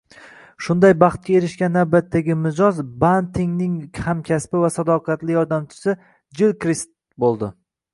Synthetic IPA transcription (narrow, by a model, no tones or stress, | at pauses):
ʃʊnd̪ajbɑχt̪̚kʲae̞ɾɪʃkʲanawbat̪ʰːaɡʲɪmɪzɒzbant̪ʰɪŋnɪŋhamkʲʰaspɪvasad̪ɒqʰɑt̪lɪjɒɾd̪amt͡ʃʰɪ̥sɪ | d͡ʒɪlˠkɾist̪̚ | bolˠd̪ɪ